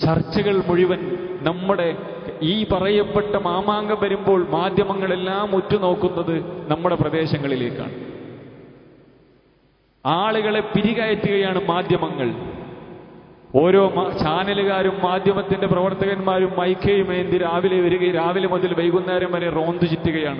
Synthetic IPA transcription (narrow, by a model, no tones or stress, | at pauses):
t͡ɕɐrt͡ɕːɐɣɐɭmuɻiʋɐnnɐmːuɽe̞ | iːpɐrɐjɐpːe̞ʈːɐmaːmaːŋɡɐmʋɐɾumbo̞ːɭmaːd̪ʱjɐmɐŋːɐɭe̞lːaːmutːuno̞ːkːunːɐðɨnɐmːuɽe̞prɐd̪e̞ːɕɐŋːɐɭile̞ːkːa̰ːɳɨ | aːɭuɣɐɭe̞piɾiɣaːjɐt̪ːuɣɐjaːɳɨmaːd̪ʱjɐmɐŋːɐɭ | o̞ːɾo̞ːmt͡ɕaːnɐluɣaːɾumːaːd̪ʱjɐmɐt̪ːindeprɐʋɐrt̪ɐɣɐnmaːɾumːɐjkʰːejumeːnd̪iɾaːʋileʋɐɾuɣɐɾaːʋilɐmuðilʋejɣunːaːɾɐmɐɾero̞ːnd̪ut͡ɕit̪ːuɣɐjaːɳɨ